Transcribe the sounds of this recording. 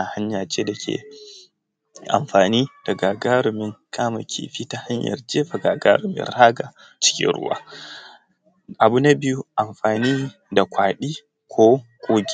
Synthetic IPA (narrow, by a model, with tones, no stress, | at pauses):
a˨ha˦ɲja˨t͡ʃe˦da˨kʲʰḛ˨ | ʔa̰˨mɸaː˨niː˦d̥a˨ɡa˨ɡaː˦ɾʊ˨mɪ˦ŋkʰʼaː˦ma̰˨kʲʰḭ˦ɸiː˦ta˦ha˦ɲjɐ̰˨rd͡ʒeː˦ɸa˨ɡa˨ɡa̰˦ɾʊ˨mɪ̰˦˨nɾa˦ɡa˨ | t͡ʃɪ̥˦kʲḭ˦nɾʊ̰˦wa̰ː˦ | ʔa˨bu˦na˦bi˦ju˦ʔa˨mɸaː˨niː˦ | da˨kʷaː˨ɗi˦ | kʷʰo˦kʷʼoː˦ɡʲi˦